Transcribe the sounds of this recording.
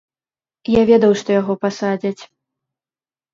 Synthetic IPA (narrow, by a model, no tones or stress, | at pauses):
javʲɛd̪ɐwʂt̪ɔjaɣɔpasad͡zʲɐt͡sʲ